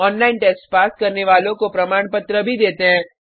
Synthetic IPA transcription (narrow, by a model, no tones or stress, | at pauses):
ɔːnlaːɪnʈɛːsʈpaːskɐɾneʋaːlõkopɾɐmaːɳpət̪ɾəbʱid̪eːt̪eɦɛ̃ː